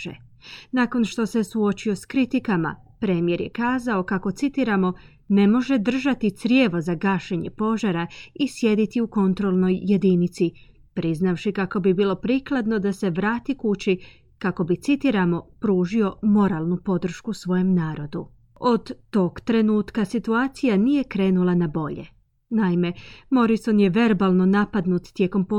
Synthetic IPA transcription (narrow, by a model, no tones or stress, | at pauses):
ḛ | naːko̞nʃt̪o̞se̞suo̞t͡ɕio̞skɾit̪ikama̰pɾe̞ːmije̞ɾje̞kaːzao̞kako̞t̪sit̪iɾamo̞ | ne̞mo̞ʒe̞d̪r̩ʒat̪it̪sɾjeːʋo̞zaɡaːʃeɲe̞po̞ʒaɾaisje̞d̪it̪iuko̞nt̪ɾo̞lˠno̞jːe̞d̪init̪si | pɾiznafʃikako̞bibiːlo̞pɾiːklˠad̪no̞d̪ase̞ʋɾaːt̪ikut͡ɕi | kako̞bit̪sit̪iɾamo̞pɾuːʒio̞mo̞ɾalˠnupo̞d̪r̩ʃkusʋo̞je̞mnaːɾo̞d̪u | o̞d̪ːo̞ɡt̪ɾe̞nuːt̪kasit̪uaːt̪sijanije̞kɾe̞ːnulˠanabo̞ʎe̞̰ | naime̞mo̞ɾiso̞nje̞ʋe̞ɾbalˠno̞napad̪nut̪t̪je̞ko̞mpo